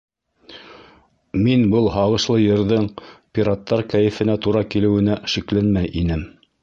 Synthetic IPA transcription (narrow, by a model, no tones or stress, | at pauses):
minbɤlˠɦɑʁɤ̆ʃlˠɤjɤ̆ɾðɤɴpʲiɾat̪ːɑɾkæjɘ̆fɘ̆næt̪uɾɑkilɘ̆wɘ̆næʃiklænmæjʔinɘm